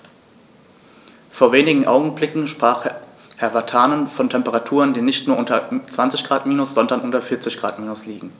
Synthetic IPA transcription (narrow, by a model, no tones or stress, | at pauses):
foːɐveːnɪɡŋ̩ʔaʊɡŋ̩blɪkŋ̩ʃpʁ̥aːχ | hɛɐvatʰaːnənfɔntʰɛmpəʁatʰuːʁəndiːnɪçtnuːɐʊntɐt͡sv̥ant͡sɪçɡ̥ʁaːtmiːnʊsz̥ɔndɐnʔʊntɐfɪɐt͡sɪçɡ̥ʁa̰ːtmiːnʊsliːɡŋ̩